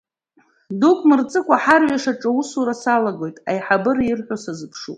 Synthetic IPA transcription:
dukʷʼʰmɨrt͡sʼɨkʷʼaħarɥaʂaʈ͡ʂʼausuɾasalaɡo̞jtʼajħabɨrɪrħʷᶣosazɨpʰʂupʼ

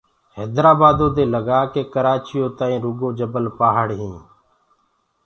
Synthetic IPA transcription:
hɛːd̪ɾaːbaːd̪õːd̪eːləɡaːkeːkəɾaːt͡ʃɪjõːt̪ãːĩːɾʊɡoːd͡ʒəbəlpaːɦəɽɦĩː

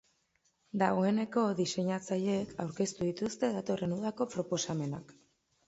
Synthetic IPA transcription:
d̪aɣo̞e̞ne̞ko̞ðise̞ɲat͡saʎe̞kʰawɾke̞st̪uðit̪ust̪e̞ðat̪o̞re̞nuðako̞pɾo̞po̞same̞nak

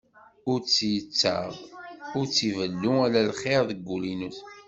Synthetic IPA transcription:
ʊɾt͡sːjət͡sːə̰ʁʊɾt͡sːivəlːuælælχeʁðəɡʷːulinuθ

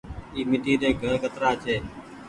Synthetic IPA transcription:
iːmɪʈiːɗeːɡʱəɾkət̪ɾaːt͡ʃʰeː

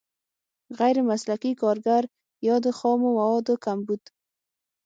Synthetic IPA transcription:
ɣajɾɪmaslakikɔɾɡaɾ | jɔd̪ɪxɔmʊmawɔd̪ʊkambud̪̥

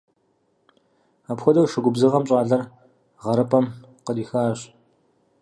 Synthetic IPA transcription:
apxʷɔdɐwʂɨɡʷʊbzɨʁɐmɕʼɑːɮɐr | ʁɐɾɨpʰɐm | qədiːxaːɕʼ

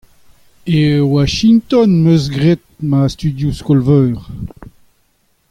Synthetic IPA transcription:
ewaʃĩŋt̪ɔnmøs̬ɡʁet̪̚mast̪yd̪juskɔlvœːʁ

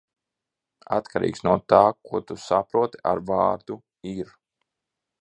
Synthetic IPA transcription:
a̰t̪kʰaɾḭːksnuɔt̪aːkuɔt̪usapɾuɔt̪a̰ɾvaːɾd̪u | iɾ

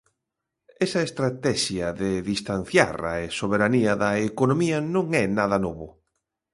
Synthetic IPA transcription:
ɛsɐest̪ɾat̪ɛʃjɐðeðist̪an̟θja̰ɾa̰esoβeɾaniɐðɐekonomiɐnõŋɛnaðɐnoβʊ

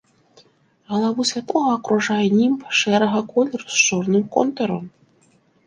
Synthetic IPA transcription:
ɐlˠavusʲvʲat̪ˠɔɣɐːkɾuʐajɛnʲimpʂɛɾɐɣɐkɔlʲɛrust͡ʂɔrnɨmkɔ̰nt̪ɐɾɔm

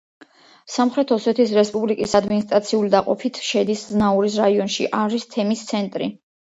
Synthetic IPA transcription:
samχɾɛt̪ʰɔsɛt̪ʰisɾɛspʼublikʼisad̪minist̪ʼɾat̪sʰiulid̪aqʼɔ̰pʰit̪ʰʃɛd̪isznauɾis̬ɾaiɔnʃḭʔaɾist̪ʰɛmist̪sʰɛnt̪ʼɾḭ

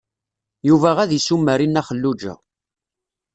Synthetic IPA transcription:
juvæʁæðisumːəɾinæχəlːud͡ʒæ̰

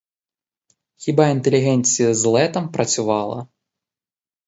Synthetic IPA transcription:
xʲibaint̪ɛlʲiɣɛnʲsʲijɐzlˠɛt̪ɐmpɾɐt͡sʲuvalˠɐ̰

